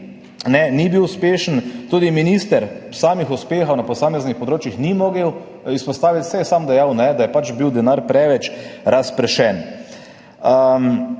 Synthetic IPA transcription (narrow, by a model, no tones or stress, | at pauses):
nɛnibiwʊspeːʃənt̪uːd̪iminist̪əɾsaːmixuspeːxɔwnapɔsaːmɛznixpɔd̪ɾoːt͡ʃixnimoɡəw | ispɔst̪aːʋit̪sɛjɛsaːmd̪ɛjawnɛd̪ajɛpat͡ʃbiwd̪ɛnaɾpɾɛʋɛt͡ʃɾaspɾɛʃɛn | ə